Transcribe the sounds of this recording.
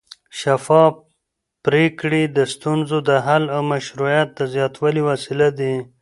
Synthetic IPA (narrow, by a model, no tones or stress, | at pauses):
ʃafɑ | pɾekɽid̪əst̪unzod̪əɦalamaʃɾujat̪̚d̪əzjɑt̪waliwasilad̪i